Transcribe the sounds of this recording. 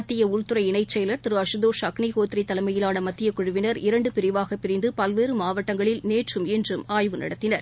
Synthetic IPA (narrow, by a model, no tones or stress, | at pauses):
ɐt̪ːɪjɐʊɭt̪ɯɾɐɪnɐɪt͡ʃːɛjlɐɾt̪ɪɾɯɐʂɯðoːʂɐkɳiɣoːt̪ːɪrit̪ːɐlɐɪmɐjɪlaːnɐmɐt̪ːɪjɐkːʊɻʊʋɪnɐɾɪɾɐɳɖɯpɪɾɪʋaːɣɐpːɪɾɪnd̪ɯpɐlʋeːɾɯmaːʋɐʈːɐŋɡɐɭɪlneːʈrɯmɛndrɯmaːjʋɯnɐ̰ɽɐt̪ːɪnɐɾ